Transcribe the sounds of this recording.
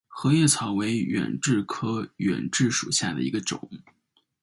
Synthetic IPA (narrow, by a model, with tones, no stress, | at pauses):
xɤ˧˥ɥɛ˥˩t͡sʰɑ˧˥ʊwe˧˥ɪɥɛ̰˨˩nʈ͡ʂɻ̩˥˩kʰɤ˥ɥɛ̰˨˩nʈ͡ʂɻ̩˥˩ʂu˨˩ɕja˥˩d̪ə̰˩i˧˥ɡə˧ʈ͡ʂʊ̰˨˩˦ŋ